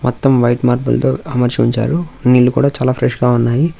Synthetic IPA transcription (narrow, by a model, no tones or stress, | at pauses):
mɔt̪ːɐmʋɐjʈmaːɾpṵlt̪oːɐmɐɾt͡ʃiiɲt͡ʃa̰ːɾuniːlːukṵːɽaːt͡ʃaːlaːpʰɾeʂɡaːunːaːji